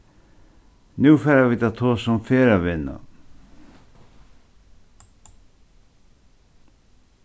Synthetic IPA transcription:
nuːfɛːɾaviːt̪at̪ʰoːsɔmfeːɾavɪnːa̰

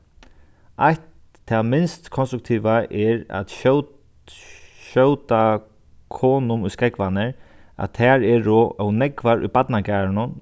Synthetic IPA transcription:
ajt̪ʰː | aːmɪnst̪kʰɔnst̪ɾʊk̚t̪ʰiːʋaʔɛɹa̰t̪ʃ | ʃœwt̪a | kʰɔːnʊmʊjskɾɛkʋanɛɹ | a̰t̪ʰːɛːɹɛɹɔʔɔwnɛkʋaɾʊ̰jbat̪nakaːɹnʊn

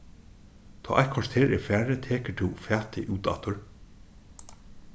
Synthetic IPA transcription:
t̪ʰɔ̰ːʔa̰jt̪kʰɔst̪heːɹɛɹfæːɹɪt̪ʰeːkət̪ʰɪfæːt̪ɪʔuːt̪a̰t̪ʊɹ

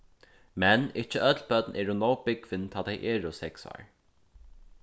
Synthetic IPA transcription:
mɛnɪt͡ʃəʔœt̪lbœt̪nʔɛːɹunoːwbɪɡ̥vɪnt̪ʰaːt̪ʰaɪjʔɛːɹʊsɛksɑ̰ːɹ

